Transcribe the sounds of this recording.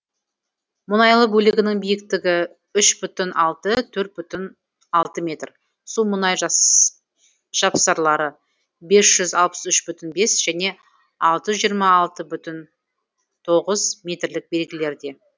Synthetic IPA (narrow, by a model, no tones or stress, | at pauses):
mʊnɑjlˠəbɵlɪɡʲɪnɪŋbijɪkt̪ɪɡʲɪ | ʏʃbʏt̪ɪnʔɑlˠt̪ət̪ʰɵɾt̪̚bʏt̪ɪn | ɑlˠt̪əmʲe̞t̪r | sumʊnɑjʒ | ʒ̥ɑpsɑɾlˠɑɾə | be̞sʒ̥ʏzɑ̰lˠpə̥sʏʃbʏt̪ɪnbe̞sʒ̥æne̞ | ɑlˠt̪əʒijəɾmɑːlˠt̪əbʏt̪ɪn | t̪ʰo̞ʁəzmʲe̞t̪rlɪk̚be̞lɡʲɪle̞ɾd̪e̞